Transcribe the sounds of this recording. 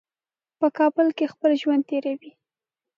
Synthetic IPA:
pəkɑbəlkexpəlʒwand̪̚t̪eɾawi

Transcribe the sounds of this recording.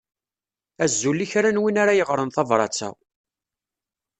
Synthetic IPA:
æzːulːiçɾænwinaɾajəʁɾənθɑvɾˤɑ̰t͡sːæ̰

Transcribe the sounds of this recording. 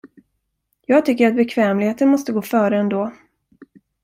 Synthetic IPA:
jɑːɡt̪ʰʏkːəɾat̪̚bɛkʰvɛːmlɪɡheːt̪ənmɔst̪əɡoːfœːɾəɛnd̪oː

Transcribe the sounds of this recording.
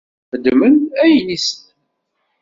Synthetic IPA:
fəd̪ːmənæjnist̪

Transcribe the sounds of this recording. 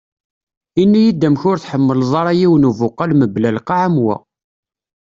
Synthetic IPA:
inːijid̪ːæmçʊɾθħəmːəlðˤɑɾˤɑjiwnuvʊqːalməblælqɑʕamwæ̰

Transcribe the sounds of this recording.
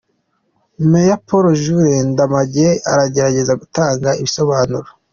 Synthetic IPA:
mejapoɾoʒuɾendamaɟeaɾaɟe̞ɾaɟe̞zaɡutaːŋɡaiβiso̞βaːnuɾo

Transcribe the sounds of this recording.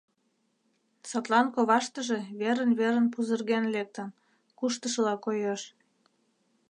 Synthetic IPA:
sɑt̪lɑnkoβɑʃt̪əʒe̽βeɾənβeɾə̆npuzərɣenlek̚t̪ən | kuʃt̪əʃəlɑkojeʃ

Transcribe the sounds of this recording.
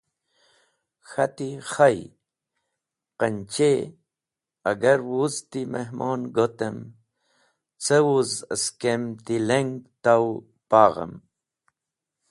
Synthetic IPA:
xat̪iχaj | qənt͡ʃe | aɡaɾwuzt̪imeɦmoːnɡot̪əm | t͡səwuzə̰skemt̪ileŋɡt̪aw | paːʁə̰m

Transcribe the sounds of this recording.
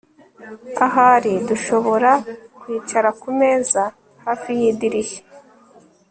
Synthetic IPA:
aɦaɾiduʃo̞βo̞ɾakwiːt͡ʃaɾakume̞ːza | haːfijiːdiɾiʃe̥

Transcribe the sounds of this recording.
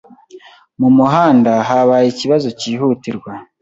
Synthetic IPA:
mumuɦaːndaɦaβaːjiciβazo̞ciːɦutiɾɡwa

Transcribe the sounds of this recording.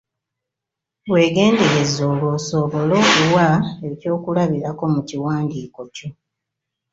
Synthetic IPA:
we̞ːɡe̞ːnde̞ɾe̞zo̞ːlwo̞ːso̞βo̞lo̞ːkuwaeco̞ːkulaβiɾako̞muciwaːndiːko̞co

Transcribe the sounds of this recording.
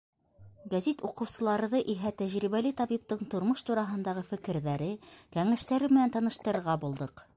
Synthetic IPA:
ɡæzit̪uqɤ̆wsɤ̆lˠɑɾɤ̆ðɤʔiɦæt̪æʑɾiβælɘt̪ɑβip̚t̪ɤɴt̪ŏɾmɤʃt̪uɾɑɦɤ̆nd̪ɑʁɤfɘ̆kɘ̆ɾðæɾɘkæŋæʃt̪æɾɘmɘ̆nænt̪ɑnɤ̆ʃt̪ɤ̆ɾɤ̆ɾʁɑbulˠd̪ɤq

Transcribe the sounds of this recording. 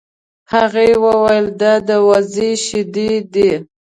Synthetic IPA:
haɣewəwajəld̪ɑd̪əwaziʃɪd̪id̪i

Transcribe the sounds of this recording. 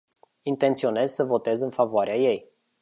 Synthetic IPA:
int̪e̞nt̪sio̞ne̞zsəvo̞t̪e̞zɨnfavoaɾeaje̞j

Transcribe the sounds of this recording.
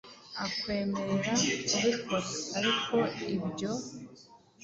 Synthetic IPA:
akwe̞ːme̞ɾe̞ɾaɾikotaɾikʰo̞ibjo̞

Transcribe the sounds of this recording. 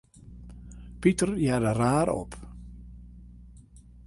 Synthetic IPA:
pitərjaːdəraːɾɔ̰p

